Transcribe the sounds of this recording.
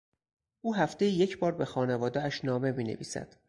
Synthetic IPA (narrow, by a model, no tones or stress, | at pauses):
ʔuːɦæft̪e̞jije̞cʰbɒːɾbe̞xɒːne̞vɒːd̪eæʃnɒːme̞miːnḛvḭːsæ̰d̪̥